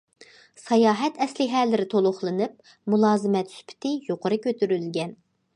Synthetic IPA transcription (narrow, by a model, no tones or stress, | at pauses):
sɑjɑːɦɛt̪ʰɛslɪɦɛlːɪɾɪt̪ʰolˠʊχlˠɨnɨp̚ | mulˠɑːzɨmɛt̪sy̥pʰɪ̥t̪ʰɪjoqʰəɾɨkʲʰøt̪ʰyɾylɡʲɛn